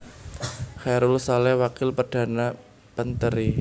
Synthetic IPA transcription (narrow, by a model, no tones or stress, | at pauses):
xɛɾulsalɛwakɪlpərd̥a̤na | pənt̪əɾi